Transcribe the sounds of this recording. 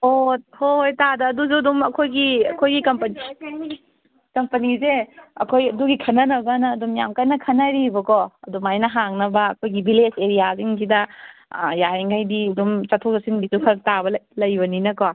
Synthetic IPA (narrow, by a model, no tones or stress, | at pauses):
ohojtadɐːduzudumɐkʰojɡiɐ̰kʰojɡikɐmpɐni | kɐmpɐnizeɐ̰kʰojɐduɡikʰɐnɐnɐɡanɐːdumjamkajnɐkʰɐnaɾibɐkɔɐdumajnɐɦaŋnɐbɐːkʰojɡibileseɾijaziŋsidɐ | jajeŋɡajdidumt͡ʃɐtʰozɐsinbisukʰɐɾɐk̚tabɐlɐjbɐninɐkɔ